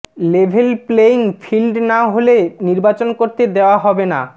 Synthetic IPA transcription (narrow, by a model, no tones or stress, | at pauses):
lebʱelpleiŋfʰilɖnaɦoleniɾbat͡ɕonkoɾt̪ed̪eoaɦɔbena̰